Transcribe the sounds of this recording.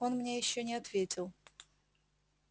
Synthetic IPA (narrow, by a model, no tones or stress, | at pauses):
onmnʲejɪɕːonʲɪɐt̪vʲetʲɪlˠ